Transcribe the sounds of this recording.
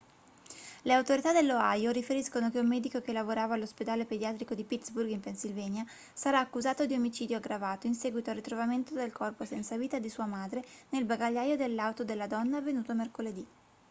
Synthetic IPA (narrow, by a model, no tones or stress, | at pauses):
leawt̪oɾit̪ad̪elːoajoɾifeɾiskonok̟eumːɛːd̪ikok̟elːavoɾaːvaːlːosped̪aːleped̪jaːt̪ɾikod̪ipit̪sburɡimpensilvɛːɲja | saɾaːkːuzaːt̪od̪iomit͡ʃiːd̪joaɡɾavaːt̪oinsɛːɡwit̪oalrːit̪ɾovament̪od̪elkɔrposɛnt̪saviːt̪ad̪isuːamaːd̪ɾenelbaɡaʎːaːjod̪elːawt̪od̪elːad̪ɔnːaːvːenuːt̪omerkoled̪i